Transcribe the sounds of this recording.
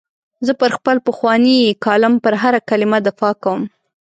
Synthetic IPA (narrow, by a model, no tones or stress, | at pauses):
zəpəɾxpəlpəxwɑnikɑlɪmpəɾɦaɾakalɪmad̪ɪfɑkawəm